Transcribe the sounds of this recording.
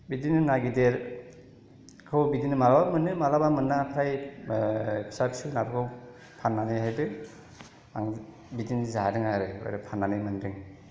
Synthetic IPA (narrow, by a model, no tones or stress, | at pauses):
bidinɯnaɡideɾ | kʰɯwbidinɯmalabamɯnːɯmalabamɯnːapʰɾaj | pʰi̥sapsunabɯkʰɯw | pʰanːanɯjɦajbɯ | a̰ŋ | bidinzadɯŋaɾɯo̰jɾɯpʰanːanɯjmɯndɯŋ